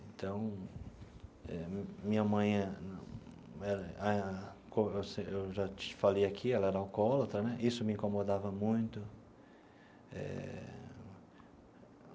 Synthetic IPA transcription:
ẽnt̪ɐ̃w̃ | ɛ̰mĩɲɐmɐ̃j̃ɐñ | ɛɾɐakõewseewʒat͡ʃfalejakʰiɛlɐɛɾɐawkɔlɐt̪ɾɐnɛʔisʊmɪĩŋkõmod̪avɐmũj̃t̪ʊ | ɛ̰

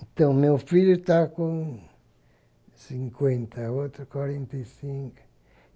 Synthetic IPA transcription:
ẽnt̪ɐ̃w̃mewfiʎʊt̪akõ | sĩŋkwẽnt̪ʰɐot̪ɾukwaɾẽnt̪ɐjsĩŋkʊ̥

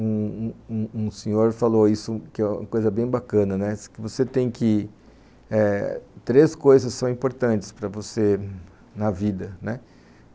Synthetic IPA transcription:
ũũũsẽɲoɾfaloisʊkɪɛũmɐkojzɐbẽj̃bakɐ̃nɐnɛkɪvoset̪ẽj̃kɪ | ɛt̪ɾeskojzɐssːɐ̃w̃ĩmpoɾt̪ɐ̃nt͡ʃɪ̥spɾɐvose | nɐvid̪ɐnɛ

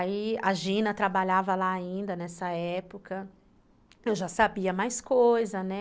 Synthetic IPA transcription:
aiaʒĩnɐt̪ɾabaʎavɐlaːĩnd̪ɐnɛsɐɛpokɐ | ewʒasabiɐmajskojzɐnɛ

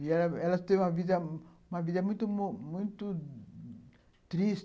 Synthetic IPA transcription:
iɛlɐɛlɐst̪ẽj̃ũmɐvid̪ɐũmɐvid̪ɐmũj̃t̪ummũj̃t̪u | t̪ɾis

